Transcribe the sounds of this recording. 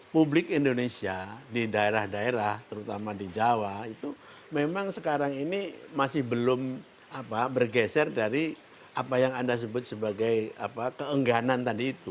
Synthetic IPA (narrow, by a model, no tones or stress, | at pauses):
publɪkindonesiadidaeɾahdaeɾaht̪əɾut̪amadid͡ʒawait̪u | memaŋsəkaɾaŋinimasɪhbəlʊm | apabərɡɛsɛrdaɾi | apajaŋandas̬əbʊt̪̚səbaɡaja̰pakəəŋɡanant̪adiːt̪u